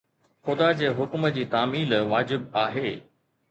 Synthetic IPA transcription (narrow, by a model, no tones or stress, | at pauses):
xʊd̪ad͡ʑeːɦʊkməd͡ʑiːt̪aːmiːlʋaːd͡ʑɪb̚aːɦeː